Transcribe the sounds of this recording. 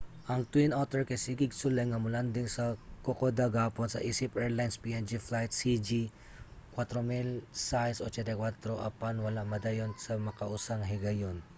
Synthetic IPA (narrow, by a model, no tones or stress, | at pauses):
ʔɐŋt̪winʔawt̪ɛɹkɐjsikɪɡ̚sʊlɐjŋɐmʊland̪ɪŋsɐkokod̪ɐɡaːponsɐʔiːsɪpʔɛɹlajnspiɛnd͡ʒiflajt̪̚sid͡ʒi | kwat̪ɾomilsajsʔot͡ʃɛnt̪ɐkwat̪ɾoʔɐ̰panwɐlaŋmɐd̪ɐjonsɐmɐkɐʔusaŋɦɪɡɐjon